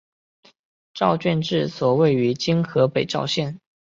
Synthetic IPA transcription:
ʈ͡ʂɑ˥˧ʊt͡ɕɥɛ˥˧nʈ͡ʂɻ̩˥˩swɔ˨˩we˥˩ɪy˧˥t͡ɕi˥ŋxɤ˧˥pe˨˩ɪʈ͡ʂɑ˥˧ʊɕjɛ˥˩n

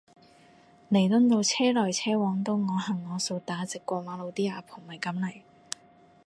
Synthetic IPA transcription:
ne˨˩jt̪ʊ˥nt̪o˧wt͡sʰɛː˥lɔː˨˩jt͡sʰɛː˥wɔː˨˥ŋt̪o˧wŋɔː˨˧hɐ˨˩ŋːɔː˨˧so˧wt̪aː˨˥t͡sɪ˨kʷːɔː˧maː˨˥lo˨˧wt̪iː˥aː˨˧pʰo˨˩ŋmɐ˨˩jkɐ˨˥mlɐ˨˩j

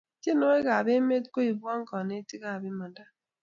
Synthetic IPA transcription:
te˦no˦e˦ɣa˨βe˦me˦tko˦i˨bwa˦ŋ˦kɔ˨ne˦ti˦ɣa˦˨bi˦ma˨nda˦

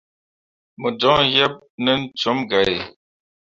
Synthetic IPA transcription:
mə˨d͡ʒɔ˨˦jɛ˦p̚nə˦n̩˦t͡ʃo˨˦mɡa˨ɾe˨

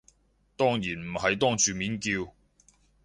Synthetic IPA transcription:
t̪ɔː˥ŋjiː˨˩nm̩˨˩hɐ˨jt̪ɔː˥ŋt͡ʃyː˨miː˨˥nkiː˧w

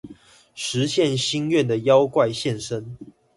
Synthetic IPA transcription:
ʂɻ̩˨˦ɕjɛ˥˨nɕi˦nɥɛ˥˨nd̪ə˩jɑ˦ʊkwa˥˧ɪɕjɛ˥˨nʂə˦n

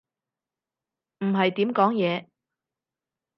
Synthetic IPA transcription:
m̩˨˩ɦɐ˨jt̪iː˨˥mkɔː˨˥ŋjɛː˨˧

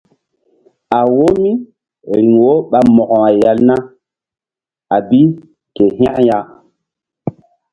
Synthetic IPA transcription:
a˨wo˦mi˦ | ɾi˨ŋwo˦ɓa˨mɔ˨kɔ˨ŋa˨ja˨lna˦ | a˨bi˦ | ke˨ɦã˦ja˨

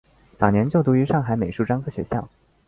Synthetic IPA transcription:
t͡sɑ˨˩ʊnjɛ˧˥nt͡ɕjo˥˩ʊt̪u˧˥y˧˥ʂɑ˥˩ŋxa˧˥ɪme˨˩ɪʂu˥˩ʈ͡ʂɑ˥ŋkʰɤ˥ɕɥɛ̰˧˥ɕjɑ˥˩ʊ

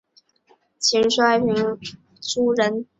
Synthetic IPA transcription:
t͡ɕʰi˧˥ŋʂwa˥ɪmi˧˥ŋ | ʈ͡ʂu˥ɻə˧˥n

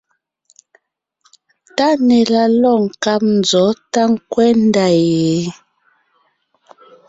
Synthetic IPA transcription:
ta˦nɛ˨la˦lɔ˦˨ŋ̩˨ka˦p̚n̩˨d͡zɔ˨˦ta˦ŋ̩˦kwɛ˦n̩˦da˨je˨˦

